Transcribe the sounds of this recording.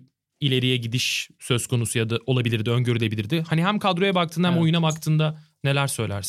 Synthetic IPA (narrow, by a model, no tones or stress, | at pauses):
ilʲe̞ɾijɛɟid̪iʃsø̞z̥kʰo̞nusujad̪aʔo̞lˠabilʲiɾd̪ɪønɟø̞ɾylʲe̞bilʲiɾd̪ɪhaniɦæmkʰad̪ɾo̞jɛbak̚t̪ʰɯːnahæmo̞junabakt̪ʰɯːnd̪a | ne̞lʲæɾsø̞jlʲæ̰ɾsn